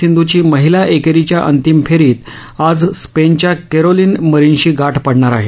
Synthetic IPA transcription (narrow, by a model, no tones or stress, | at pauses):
ind̪ʱut͡ɕiːməɦilaʔekeɾit͡ɕjaʔənt̪imfʰeɾiːt̪ | ad͡zspent͡ɕjakeɾoliːnməɾinɕiːɡaʈʰpəɽɳaɾaɦe